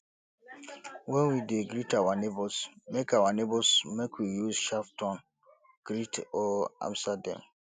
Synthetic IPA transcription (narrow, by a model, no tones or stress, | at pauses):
wɛ̃nwideɡɾitawanebɔsmekawanebɔsmekʰwijuzʃaftɔ̃n | ɡ̥ɾitɔã̰mstadã̰m